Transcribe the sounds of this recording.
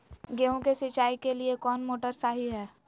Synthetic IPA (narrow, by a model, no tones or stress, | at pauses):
ɡeːɦõkesɪt͡ʃaːikeliekɔːnmoːʈəɾsaːɦiɦɛː